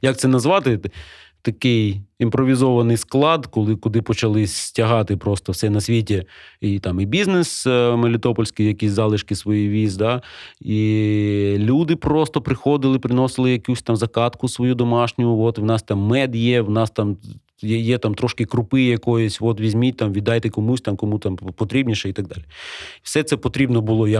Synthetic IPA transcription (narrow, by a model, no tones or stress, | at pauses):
jɐk̚t̪sɛnɐzʋɑt̪ɪt̪ɐkɪjimpɾɔʋʲizɔʋɐnɪjsklˠɑd̪kɔlˠɪkʊd̪ɪpɔt͡ʃɐlˠɪsʲtʲɐɦɑt̪ɪpɾɔst̪ɔwsɛnɐsʲʋʲitʲɛit̪ɑmibʲiznesmelʲɪt̪ɔpɔlʲsʲkɪjjɐkʲisʲzɑlˠɪʃkɪsʋɔjijʋʲizd̪ɑi | lʲud̪ɪpɾɔst̪ɔpɾɪxɔd̪ɪlˠɪpɾɪnɔsɪlˠɪjɐkʲusʲt̪ɑmzɐkɑt̪kʊsʋɔjud̪ɔmɑʃnʲʊjʊʋɔt̪wnɑst̪ɑmːɛd̪jɛwnɑst̪ɑm | jɛjɛt̪ɑmt̪ɾɔʃkɪkɾʊpɪjjɐkɔjɔsʲʋɔt̪ʋʲizʲmʲit̪ɑmʋʲid̪ɑjt̪ɛkɔmusʲt̪ɑmkɔmut̪ɑmpɔt̪ɾʲibnʲiʃɛit̪ɐɡ̚d̪ɑlʲiwsɛt̪sɛpɔt̪ɾʲibnɔbʊlˠɔjɐ